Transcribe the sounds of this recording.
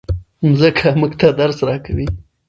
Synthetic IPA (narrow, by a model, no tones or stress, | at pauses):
mzəkʰamuɡt̪ad̪aɾsɾɑkawi